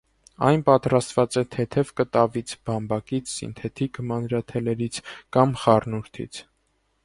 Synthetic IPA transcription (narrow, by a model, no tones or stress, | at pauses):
ɑ̰jnpɑt̪ɾɑst̪vɑt͡sɛt̪ʰɛt̪ʰɛvkət̪ɑvit͡sʰbɑmbɑkit͡sʰsḭnt̪ʰɛt̪ʰikmɑnɾɑt̪ʰɛlɛɾit͡sʰkɑmχɑrnuɾt̪ʰḭt͡sʰ